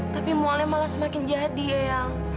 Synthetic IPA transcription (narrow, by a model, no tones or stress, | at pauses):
t̪apimoalamalahsəmakɪnd͡ʒaɦat̪̚diajaŋ